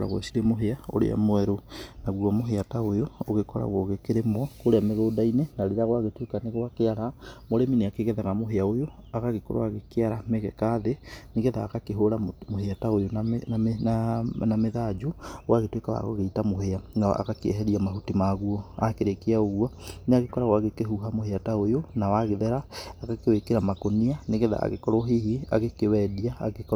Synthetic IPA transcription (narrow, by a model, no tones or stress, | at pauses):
ɾa̰ɣw̰siɾemoɦeao̰ɾḛa̰mwɛɾonaɣuamoɦeataojooɣekɔɾa̰ɣoɣekeɾemwɔkoɾeameɣoːdainenaɾeɾaɣwaɣetwekaneɣwakeaɾamoɾemineakeɣɛðaɣamoɦeaojo | aɣaɣekoɾo̰aɣekeaɾameɣɛkaðeneɣɛðaːɣakeɦoɾamoheataojonnanameðad͡ʒuwʔaɣetwekawa̰ɣo̰ɣeitamoɦeana̰ʔa̰ɣakeɛɦɛɾiamaɦutimaɣuɔakeɾekeaoɣwaneaɣekɔɾawaɣekeɦuɦamoheataojonawaɣeðɛɾaːɣakewekeɾamakonianeɣɛða̰a̰ɣḛkɔɾoɦihia̰ɣekewɛdia̰ːɣekɔ